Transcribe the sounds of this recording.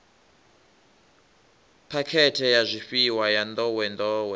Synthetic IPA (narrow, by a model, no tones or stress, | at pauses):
pʰakʰɛtʰɛjazʷiɸiwajand̪ɔwɛnd̪ɔːwɛ